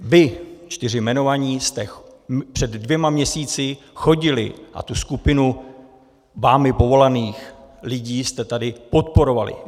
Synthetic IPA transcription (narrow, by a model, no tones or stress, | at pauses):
vɪt͡ʃt̪ɪr̝ɪmɛno̞vaɲiːst̪ɛpr̥ɛdːvjɛmamɲɛsiːt͡sɪ | xo̞ɟɪlɪ̰ʔa̰t̪uskupɪnu | vaːmɪpo̞vo̞laniːxlɪɟiːst̪ɛt̪adɪpo̞t̪̚po̞ɾo̞valɪ̰